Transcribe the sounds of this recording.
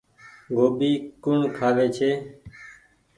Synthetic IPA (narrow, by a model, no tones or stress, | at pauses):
ɡoːɓiːkʊɳkʰaːʋeːt͡ʃʰeː